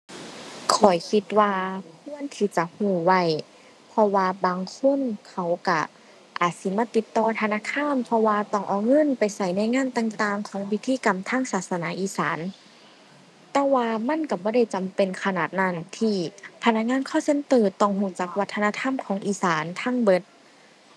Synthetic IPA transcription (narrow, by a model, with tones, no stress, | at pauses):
kʰɔ˨˩jkʰi˧t̪̚waː˧kʰu˧˥˨ənt̪ʰiː˧˩t͡ɕa˧˦huː˧˩wa˧˩˨j | pʰɔ˧waː˧baː˨ŋkʰo˧˥˨nkʰa˧˩wka˧˩ | ʔaː˨˩t̪̚si˨˧˦maː˧˥˩t̪i˧˦t̪ːɔː˧˩t̪ʰa˧naː˧˥˨kʰaː˧˥˨npʰɔ˧waː˧t̪ɔ˧˩ŋʔa˨˩wŋɤ˧˥˨npa˨jsa˧˩jna˧˥˨jŋaː˧˥˨nt̪aː˧ŋt̪aː˧ŋkʰɔː˨˦ŋwi˧t̪ʰːiː˧˨ka˨mt̪ʰaː˧˥˨ŋsaː˨˩t̪̚sa˧naː˨˧˦ʔiː˧˦saː˨˦n | t̪ɛː˧waː˧ma˧˥˨nka˧˩bɔː˧˦ɾa˧˥˩jt͡ɕa˨mpe˨nkʰa˧naː˨˩t̪̚na˧˥˩nt̪ʰiː˧pʰa˧˥na˧k̚ŋaː˧˥˨nkʰɔː˧˥˩se˧˥˨nt̪ɤː˧˩t̪ːɔ˧˩ŋhuː˧˩t͡ɕaː˧˦k̚wa˧t̪ʰːa˧na˧˥t̪ʰa˧˥˨mkʰɔː˨˦ŋʔiː˧˩saː˨˦nt̪ʰaː˧˥˨ŋbɤ˧˥t̪̚